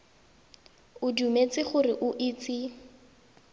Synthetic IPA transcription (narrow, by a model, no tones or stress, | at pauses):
ʊdumet͡sɪχʊrɪʔʊʔɪt͡sɪ